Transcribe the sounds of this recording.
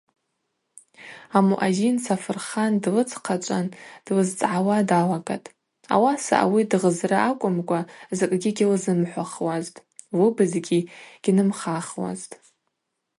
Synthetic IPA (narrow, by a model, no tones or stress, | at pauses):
amuʔazinsʰafɨrχandlɨt͡sʰʼqʰat͡ʃʷʼand̥lɨzt͡sʼʕawadalakʼa̰tʼ | a̰wasa̰ʔa̰widʁəzrɨʔakʷʼʊmkʷʼazɨkʼɡʲiɡʲilzɨmħʷaχwaztʼ | wɨbɨzɡʲiɡ̥ʲinɨmχaχwa̰ztʼ